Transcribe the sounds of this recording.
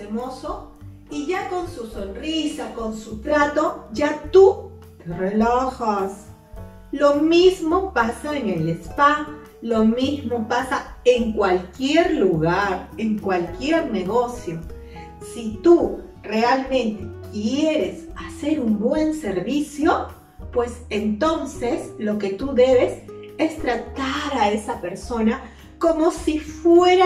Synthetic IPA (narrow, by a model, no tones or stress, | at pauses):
semoso | iʝako̞nsusonrisako̞nsut̪ɾat̪o̞ʝat̪u | t̪erelaxas | lomizmopasaeŋelespa | lomizmopasaeŋkwalkjeɾluɣaɾe̞ŋkwalkje̞ɾne̞ɣo̞sjo̞ | sit̪u | re̞almẽ̞nt̪e̞̥kjeɾe̞sase̞ɾumbwe̞nse̞ɾβisjo̞ | pwe̞se̞nt̪o̞nseslo̞ke̞t̪uðe̞βe̞s | e̞st̪ɾat̪aɾaesape̞ɾso̞na | ko̞mo̞sifweɾa